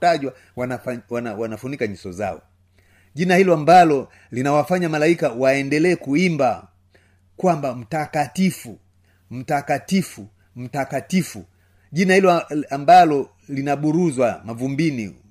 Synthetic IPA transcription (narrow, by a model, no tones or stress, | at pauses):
aʄwa | wanawawanafunikaɲusɔza̰ɔ̰ | ʄinahilɔambalɔ | linawafaɲamalaikawaɛndɛlɛːkuimba | kwambam̩takatifu | m̩takatifu | m̩takatifu | ʄinahilɔambalɔ | linaɓuɾuzwamavumbinḭ